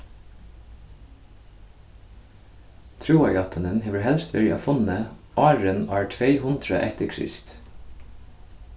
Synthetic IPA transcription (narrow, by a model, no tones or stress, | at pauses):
t̪ʰɾuːɑʏɑt̪ʰənənheːʋəhɛlst̪ʋɛɹɪ̰ʔɑ̰fʊnəʔɑːɹənæːɹʈʰʋeɪhʊnt̪ɹə̰ʔɛt̪əkʰɹɪ̰st̪